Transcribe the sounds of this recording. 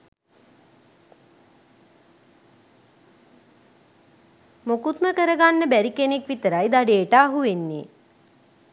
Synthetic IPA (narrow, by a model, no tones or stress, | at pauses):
mokut̪məkəɾəɡanːəbæɾikenekʋit̪əɾajd̪aɖeːʈaːɦuʋenːḛː